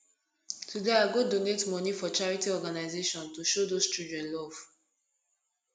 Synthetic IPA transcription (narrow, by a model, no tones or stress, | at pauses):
tudeaɪɡodonetmɔnifɔt͡ʃaɹitiɔɡanaɪzeʃɔ̃ntuʃodost͡ʃɹudɹɛ̃nlɔv̥